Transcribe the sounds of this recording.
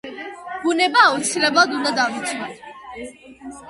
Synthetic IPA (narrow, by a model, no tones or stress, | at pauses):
bunɛbaɔt͡sʰiɾɛbad̪und̪ad̪avit͡sʰmɛn